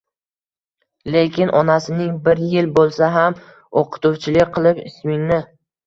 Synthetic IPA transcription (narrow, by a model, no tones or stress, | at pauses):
le̞kʲɪnʔɒnasɪnɪŋbɪɾjɪlbolˠsaɦam | oqʰɨ̥t̪ʊwt͡ʃʰɪlɪkʲqʰɨlˠɪpɪ̰smɪŋnɪ